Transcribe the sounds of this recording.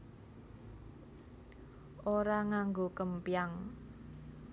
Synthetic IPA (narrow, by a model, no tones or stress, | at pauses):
ʔoɾaŋaŋɡokəmpijaŋ